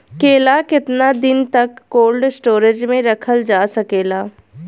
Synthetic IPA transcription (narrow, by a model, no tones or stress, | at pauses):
keːlakɪt̪nad̪ɪnt̪ɐkːoːlɖsʈoːɾed͡ʒmẽɾɐkʰəld͡ʒaːsɐkeːlaː